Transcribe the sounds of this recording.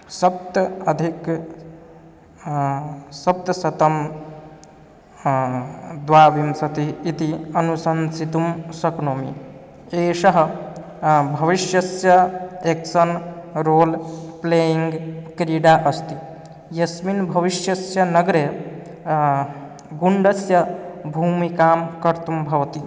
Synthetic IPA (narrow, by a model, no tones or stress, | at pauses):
sɐp̚t̪ɐd̪ʱik | sɐp̚t̪ɐsɐt̪ɐm | d̪ʋaːʋimsɐt̪iːt̪iɐnusɐnsit̪umsɐknoːmḭ | eːʃɐɦɐ | bʱɐʋiʃjɐsjɐeksɐnɾoːlpleːiŋɡkɾiɖaːʔɐst̪i | jɐsminbʱɐʋiʃjɐsjɐnɐɡɾe | ɡuɳɖɐsjɐbʱuːmikaːmkɐɾt̪umbʱɐʋɐt̪i